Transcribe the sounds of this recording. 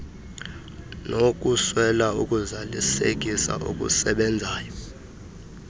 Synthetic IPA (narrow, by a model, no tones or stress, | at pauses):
nʔok̬ʼuswɛlaukʼuzalisek̬ʼisa̰ʔṵk̬ʼṵsɛɓɛnd͡zʱaːjɔ